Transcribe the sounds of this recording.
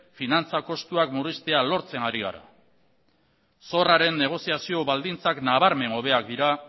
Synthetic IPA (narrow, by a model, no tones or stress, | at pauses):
finant͡sako̞st̪uakmurist̪e̞alo̞ɾt͡se̞naɾiɣa̰ɾa̰ | so̞raɾe̞nːe̞ɣ̞o̞siasio̞βald̪int͡saknaβ̞aɾme̞ŋo̞β̞e̞ak̚d̪iɾa